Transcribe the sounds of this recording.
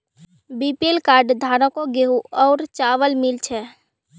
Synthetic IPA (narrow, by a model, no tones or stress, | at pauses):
bipelkaɾɖd̪ʱaɾə̃koɡeɦuɔʊɾt͡ʃaʋəlmilt͡ʃʰɛ